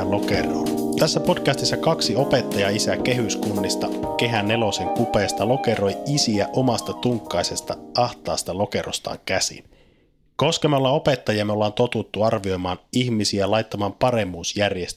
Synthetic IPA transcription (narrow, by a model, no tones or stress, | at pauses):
lo̞kero̰n | t̪æsːæpo̞dkæst̪isːɑkɑksio̞pe̞t̪ːɑjɑisæke̞ɦyskunːist̪ɑke̞ɦænːe̞lo̞se̞ŋkupeːst̪ɑlo̞ke̞ɾo̞jisiæʔo̞mɑst̪ɑt̪uŋkːɑjse̞st̪ɑɑht̪ɑ̰ːst̪ɑlo̞ke̞rʔo̞̰st̪ɑ̰ːŋkæsḭn | ko̞skɑmeolːɑope̞t̪ːɑjiɑmeolːɑːnt̪o̞t̪ut̪ːuɑrʋio̞jmɑːniçmisiælɑjt̪ːɑmɑːmpɑɾe̞mːuːsjærjest̪